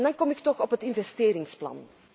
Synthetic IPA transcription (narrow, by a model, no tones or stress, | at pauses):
ndɑŋkɔmɪktɔxɔpɦətɪnvɛsteːɾɪŋsplɑ̰n